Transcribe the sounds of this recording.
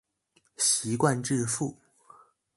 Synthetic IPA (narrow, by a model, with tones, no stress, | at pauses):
ɕi˧˥kwa˥˧nʈ͡ʂɻ̩˥˧fu˥˩